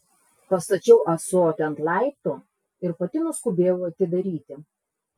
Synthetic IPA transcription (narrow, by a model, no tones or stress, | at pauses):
pɐst̪ɐt͡ʃʲɛʊʔɐsoːt̪ʲɪɐnt̪lˠɑɪp̚t̪u | ɪɾpɐt̪ʲɪnʊskʊbʲeːjʊɐt̪ʲɪd̪ɐɾʲiːt̪ʲɪ